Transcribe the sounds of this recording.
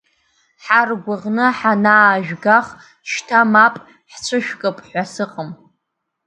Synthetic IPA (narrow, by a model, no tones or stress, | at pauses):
ħarɡʷʊʁnɨħanaːʒᶣɡaχ | ʃtʰamapʼ | ħt͡ʃʷʰɨʃᶣkʼɨpʼħʷasɨqʼəm